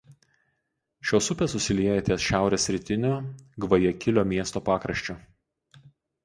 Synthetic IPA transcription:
ʃʲoːsʊpʲeːsʊsʲɪlʲiɛjɛt̪ʲesʃʲæˑʊɾʲeːsʲɾʲɪt̪ʲɪnʲoːɡʋɐjɛkʲɪlʲoːmʲiɛst̪oːpɑːkɾɐʃʲt͡ʃʲoː

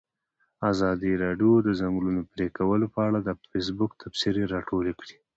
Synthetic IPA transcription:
azɑd̪iɾɑɖjod̪əzaŋɡlunopɾekawəlopəaɽad̪əfes̬bʊkt̪ʰapsiɾeɾɑʈolekɽi

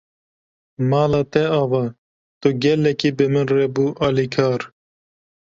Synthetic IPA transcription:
mɑːlɑːt̪ɛɑːvɑː | t̪uɡɛlːɛkiːbɨmɨnrebuːʔɑːlikʰɑːɾ

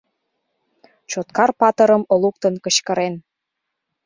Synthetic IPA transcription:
t͡ɕot̪kɑrpɑt̪ə̆ɾəmolukt̪ənkət͡ɕkə̆ɾen

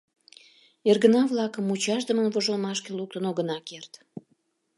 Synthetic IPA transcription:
erɣənɑvlɑkəmut͡ɕɑʃd̪əmənvoʒolmɑʃkeluk̚t̪ənoɣənɑkert̪

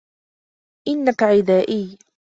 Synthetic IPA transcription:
ʔɪnːakaʕɪd̪aːʔiː

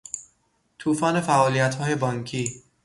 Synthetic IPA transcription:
t̪ʰuːfɒːne̞fæʔɒːlijæt̪hɒːje̞bɒːŋkʰiː

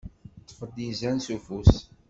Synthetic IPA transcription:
t͡sːə̥fəɾd̪izænsufus

